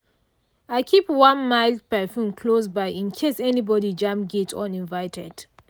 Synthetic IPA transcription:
aɪkʰipwãnmaɪldpɛfũnkʰlosbaɪĩnkʰesɛnibɔdid͡ʒãmɡetʰɔ̰̃nĩnvaɪtʰɛ̰d̥

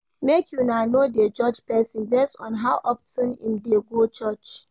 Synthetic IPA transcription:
mekʰjunaɪnoded͡ʒɔd͡ʒpɛsĩnbɛstɔ̰̃nɦawʔɔptĩnḭ̃mdeɡot͡ʃɔt͡ʃ

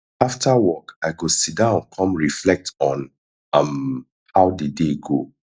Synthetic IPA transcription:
aftʰawɔkaɪɡosidãʊ̃nkʰɔ̃mɹiflɛk̚tɔ̃n | ʌ̃m | haʊdideɡo

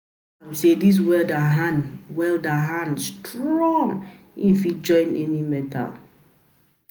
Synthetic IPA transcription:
ãmsedis̬wɛldaɦanwɛldaɦãnstʰɹɔ̃ŋ | ĩnfid͡ʒɔ̃ɪ̃nɛnimɛtʰa̰l

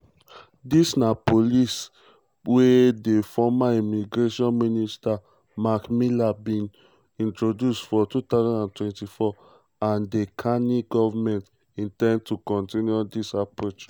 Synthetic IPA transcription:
disnapolis | wedefɔmaimiɡɹeʃɔ̃nminista | makmilabĩn | ĩntɹodjustfɔtut̪aʊzãndãntwɛ̃ntifɔ | ãndekʰaniɡɔvamɛ̃nt | ĩntɛ̃nd̚tukɔ̃ntĩnjudisapɹot͡ʃ

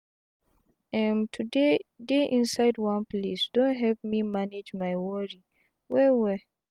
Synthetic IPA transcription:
ɛmtʰudedeʔĩnsaɪdwãnplisd̥õntɦɛvmimaned͡ʒmajwɔɹi | wɛwɛ

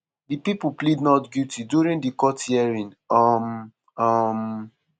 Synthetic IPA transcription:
dipipuplidnɔtɡjutidjuɹĩndikɔtjɛɹĩn | am | am

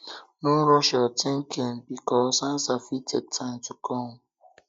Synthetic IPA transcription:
nʊɾɔʃɛɔteŋ̩kʰem̩bikɔsan̩safited̚tʰan̩tukʰɔ

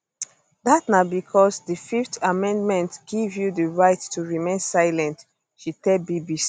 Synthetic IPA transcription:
datnabikʰɔsdəfiftamɛ̃ndmɛ̃ntɡ̥ivjudəɹaɪtːuɹimẽnsaɪlɛ̃nt | ʃitɛbibis

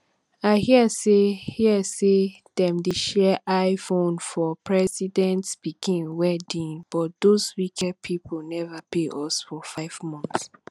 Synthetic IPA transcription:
aɪhiəsehiɛse | ð̥ɛ̃mdeʃɛʔaɪfõnfɔpʰɹɛsidɛ̃ntsb̥ikĩnwɛdĩŋb̥ɔt̚d̪̥ozwikʰɛd̚pʰipʰonɛvapeʔɔsfɔfaɪvmɔ̃nθs

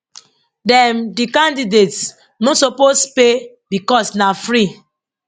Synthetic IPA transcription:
dɛ̃mdikãndidets | nosopospe | bikɔsnafɾi

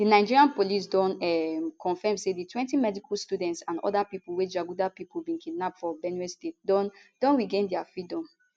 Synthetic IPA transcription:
dinaɪd͡ʒiɹiãnpolis̬dɔ̃nɛmkʰɔ̃nfɛmseditʰwɛ̃ntimɛdikʰɔlstudɛ̃ntsãnɔ̰dapipuwɛd͡ʒaɡudapipulbĩnkʰidnapfɔbɛnɛstet̚dɔ̃nd̥ɔ̃nɹiɡẽndɛafɹidɔ̃m

